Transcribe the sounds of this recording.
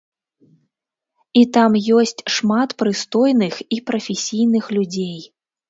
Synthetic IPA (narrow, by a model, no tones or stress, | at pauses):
it̪amjɔsʲt͡sʲʂmat̪pɾɨst̪ɔjnɨxipɾɐfʲesʲijnɨxlʲud͡zʲej